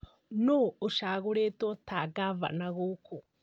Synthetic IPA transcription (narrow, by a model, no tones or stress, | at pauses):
nuuʃaːɣuɾetotʰaɡava̰naɣuːkʰo